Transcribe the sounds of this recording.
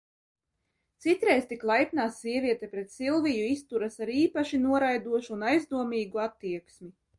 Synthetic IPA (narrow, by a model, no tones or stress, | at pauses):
t̪sit̪ɾɛjst̪iklˠajpʲnaːsːiɛvʲiɛt̪ɛpɾet̪silˠvijuist̪uɾasaɾiːpaʃinuɔɾajd̪uɔʃuːnajzd̪uɔmiːɡuat̪ːiɛksmi